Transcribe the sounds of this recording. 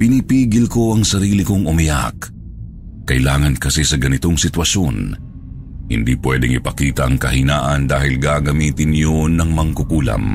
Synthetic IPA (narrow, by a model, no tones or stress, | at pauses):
pɪnipiːɡɪlko̞ɐŋsɐɾiːlɪkoŋʔʊmɐja̰k | kːɐʔɪlaːŋɐnkɐsɛsɐɡɐnɪt̪oŋsɪt̪wɐʃon | hɪ̰nd̪iːpwɛd̪ɛŋɪ̰pɐkiːt̪ɐʔɐŋkɐhɪnaːʔɐnd̪aːhɪlɡaɡɐmiːt̪ɪnjonɐŋmɐŋkʊkuːlɐ̰m